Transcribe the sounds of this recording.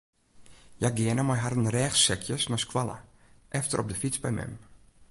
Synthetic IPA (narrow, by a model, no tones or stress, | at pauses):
jaɡɪənəmajɦaɾənrɛːxsɛkʰjəsnaskwalə̰ | ʔɛftərʔɔb̚dəfit͡sbɛjmɛ̰m